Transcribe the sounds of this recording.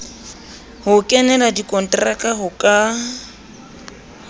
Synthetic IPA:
hʊkʼɛnɛladikʼɔn̩tʼrakʼaɦʊkʼa

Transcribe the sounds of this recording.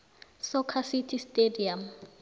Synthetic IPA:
sɔkʰasitʰistʼediam

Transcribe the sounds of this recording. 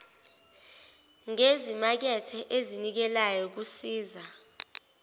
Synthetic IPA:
ŋezimak̬ɛtʰɛʔezinik̬ɛlajɔk̬usiːza

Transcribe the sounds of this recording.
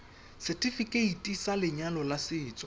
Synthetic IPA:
sɪtʼɪfikʼeitʼisalɪɲalɔlasɪːt͡sʼɔ

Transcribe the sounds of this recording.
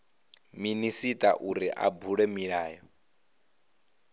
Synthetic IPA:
minisitʼa̰ʔuɾiʔa̰buɺɛmiɺaːjɔ

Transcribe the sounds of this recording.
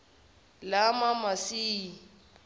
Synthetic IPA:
lamamasi

